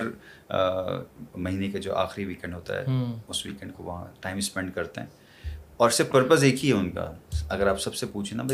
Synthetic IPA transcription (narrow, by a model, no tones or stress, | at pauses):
ɾ | mɐɦiːnekad͡ʒo̰ːʔa̰ːxɾiʋiːkɛ̃ɳɖɦoːt̪a̰ɦɛ̰ːʊsʋḭːkɛ̃ɳɖkoʋɐɦãʈaːɪmspɛ̃ɳɖkɐɾt̪ḛɦɛ̰̃ː | ɔːɾsɪɾfpəɾpəzeːkʰiɦɛʊnka̰ɐɡəɾaːpsɐbsepuːt͡ʃʰenabɐ